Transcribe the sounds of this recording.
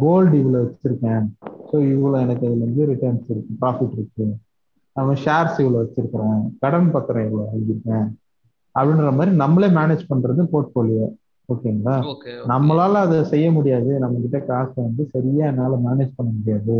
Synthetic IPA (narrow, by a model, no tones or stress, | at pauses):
ɡoːlɖɪʋɪlɐʋɐt͡ʃːɪ̥ʈːɪɾɯkːẽːsoːɪʋɐɭõːɛnɐkːɯɐðɯlɐnɡ̪ɯɾɪʈɐnsɪɾɯkːɯ̃pɾaːfɪʈːɪɾɯkːɯ | nɐmːɐʃaːɾsɪʋɐlɐʋɐt͡ʃːɪɾɯkːɐɾẽːkɐɽɐmpɐɾt̪ːɐɾɐ̃ɪʋɐɭoɐŋɡɪɾɯkːẽː | ɐpːɐɽɪnɾɐmaːðɾinɐmːɐleːmaːneːd͡ʒpɐɳɾɐðɯpoːɾʈfoːlɪjɐ | oːkːeːɐŋɡɐlaːnɐmːɐlaːlɐ̃ɐðɐsɛjːɐmʊɽɪjaːðɯnɐmːɐkɪʈːɐkaːsʈɐʋɐnd̪ɯsɐɾɪjaːɛnːaːlɐmaːneːd͡ʒpɐɳːɐmʊɽɪjaːðɯ